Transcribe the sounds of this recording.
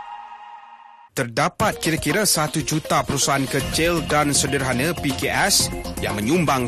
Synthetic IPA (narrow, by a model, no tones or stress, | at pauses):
t̪ərdapat̪̚kiɾakiɾasat̪ud͡ʒut̪apəɾusaankət͡ʃɪldansədərɦanə̃pikeʔɛsja̰ŋmə̃ɲũmbaŋ